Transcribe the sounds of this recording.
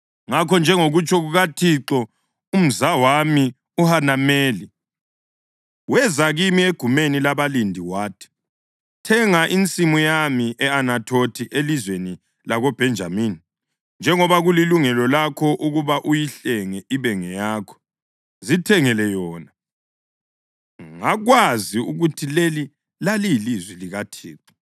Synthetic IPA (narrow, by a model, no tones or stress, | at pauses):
ŋakʰɔnd͡ʒʱɛŋoɣut͡ʃʰʼɔɣuɣatʰiǁɔ | um̩zawami | uhanameːli | wɛzaɣimieɡ̥ʱumenilaβalindʱiwaːtʰi̥ | tʰɛŋaʔint͡sʼimujamiʔɛanatʰotʰiʔelizweni | laɣɔb̥ʱɛnd͡ʒʱa̰miːni | nd͡ʒʱɛŋɔβaɣuliluŋɛlɔlakʰɔʔuɣuβaʔujiɬɛŋɛʔiβɛŋɛjaːkʰɔ̥ | zitʰɛŋɛlɛjɔːna | ŋaɣwaziuɣutʰileli | lalilizwɛliɣatʰḭːti̥